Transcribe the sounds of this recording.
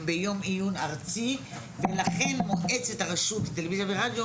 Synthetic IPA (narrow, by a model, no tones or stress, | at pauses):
mbejo̞mijunaʁt͡si | velaχe̞nmoʔet͡set̪aʁeʃutt̪alevizabeʁad̪jo